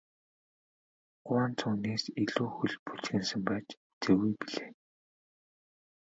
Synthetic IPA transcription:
ɢ̥ʊaːnt͡sʰuːneːsiɮuːxuɮpu̥t͡ɕxɘ̆nsə̆mpæːt͡ɕu̥t͡seːɣujpiɮeː

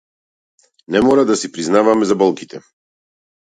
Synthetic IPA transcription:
nɛmɔɾad̪asipɾiznavamɛzabɔlˠkit̪ʰɛ

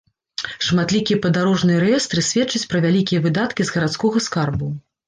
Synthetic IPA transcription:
ʂmat̪lʲikʲijɐpɐd̪aɾɔʐnɨjɐɾɛjɛst̪ɾɨsʲvʲɛtt͡ʂːɐt͡sʲpɾɐvʲalʲikʲijɐvɨd̪at̪kʲizɣɐɾat̪skɔɣɐskarbu

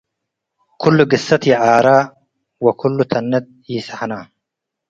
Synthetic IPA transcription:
kʰʊlːʊɡɪsːɐt̪jaʔaːɾaː | wɐkʰʊlːʊt̪ʰɐnːɐt̪̚jiːsaħanaː

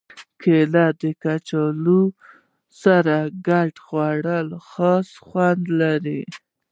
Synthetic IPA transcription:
kʰelad̪əkat͡ʃɑlu | saɾaɡaʈxwaɽəlxɑsxwand̪laɾi

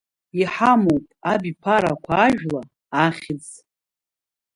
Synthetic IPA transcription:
iħamowpʼabipʰaɾakʷʰaːʒᶣlaː | χʲɪd͡z

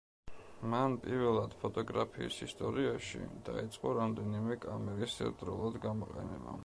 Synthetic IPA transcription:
manpʼiɾvɛlˠad̪̥pʰɔt̪ʼɔɡɾapʰiisist̪ʼɔɾiaʃḭd̪̥ait̪sʼqʼɔɾamd̪ɛnimɛkʼamɛɾisɛ̰t̪ʼɾulˠad̪ɡamɔqʼɛ̰nɛ̰ba̰

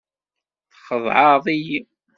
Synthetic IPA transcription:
θχəðˤʕɑðˤij

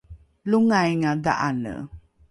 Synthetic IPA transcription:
luŋajŋada̰ʔanə̰

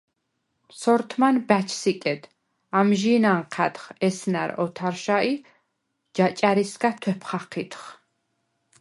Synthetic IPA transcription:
sɔɾt̪ʰmanbæt͡ʃʰsikʼɛd̪ | amʒinaɴqʰæt̪χɛsnaɾɔ̰t̪ʰaɾʃaʔi | d͡ʒat͡ʃʼaɾisɡat̪ʰwɛpʰχaqʰit̪χ

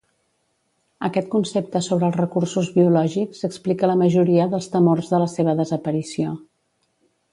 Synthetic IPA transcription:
əkɛt̪̚kunsep̚t̪əsoβɾəːlˠzrəkursuzβiulɔʒikzəksplikələməʒuɾiəðəlˠst̪əmorzðələseβ̞əðəzəpəɾisio

